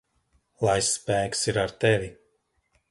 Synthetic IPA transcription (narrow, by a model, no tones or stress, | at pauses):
lˠajspæːksiɾaɾt̪ɛvi